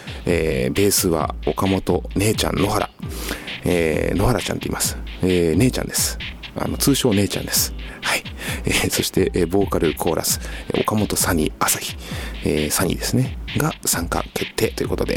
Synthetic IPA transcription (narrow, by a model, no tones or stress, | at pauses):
eːbe̞ːsɨβa̰o̞kamo̞t̪o̞ne̞ːt͡ɕã̰nːo̞ɦaɾa̰ | eno̞haɾat͡ɕã̰nt̪oḭmasɨ̥ene̞ːt͡ɕã̰nd̪e̞sɨ̥a̰no̞t͡sɨːɕo̞ːne̞ːt͡ɕã̰nd̪e̞sɨ̥haieso̞ɕi̥t̪e̞ʔbo̞ːkaɾɯ̟kʰo̞ːɾʔa̰sɨ̥ʔo̞kamo̞t̪o̞saɲ̟iasaçi̥esaɲ̟ḭd̪e̞sɨneɡasãŋka̰kʰe̞t̪ʰːe̞ːt̪oiɯ̟ko̞t̪o̞d̪e̞̰